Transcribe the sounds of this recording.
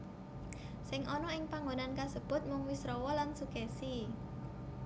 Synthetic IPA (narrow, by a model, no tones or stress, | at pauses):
sɪŋʔɔnɔɪŋpaŋɡonankasəb̥ʊ̤t̪̚mʊŋwisɾɔwɔlansukɛsi